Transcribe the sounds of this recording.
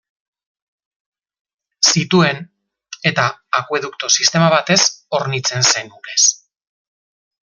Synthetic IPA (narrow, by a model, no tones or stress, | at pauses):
sit̪ue̞n | e̞t̪aːkwe̞ðukt̪o̞sist̪e̞maβ̞at̪e̞so̞ɾnit͡se̞nsenune̞s